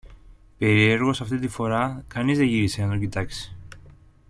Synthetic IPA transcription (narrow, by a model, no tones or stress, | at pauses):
pe̞ɾie̞ɾɣo̞sɐft̪it̪ifo̞ɾɐkɐnizðeʝiɾiseɐnt̪ocit̪ɐksi̥